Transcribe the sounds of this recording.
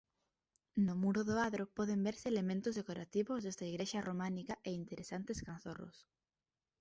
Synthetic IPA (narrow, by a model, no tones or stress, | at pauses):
nʊmuɾʊðʊaðɾopɔðembeɾsɪːlemẽnt̪ʊzðekoɾat̪iβʊzðest̪ɐiɣɾeʃɐrʔomanikɐʔeint̪eɾʔesant̪eskan̟θorʊ̰s